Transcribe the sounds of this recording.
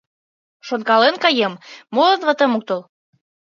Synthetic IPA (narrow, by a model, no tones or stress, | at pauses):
ʃonkɑlenkɑjemmolɤ̆nβɤ̆t̪ə̆muk̚t̪ol